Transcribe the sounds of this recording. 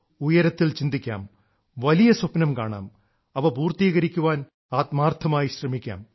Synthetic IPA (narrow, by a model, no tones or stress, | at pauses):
ujɐɾɐt̪ːilt͡ɕind̪ikʲːa̰ːm | ʋɐlijɐswɐpnɐmkaːɳa̰ːm | ɐʋɐpuːrt̪iːɣɐɾikʲːuʋaːn | aːt̪maːrt̪ʰːɐmaːjiɕrɐmikʲːa̰ːm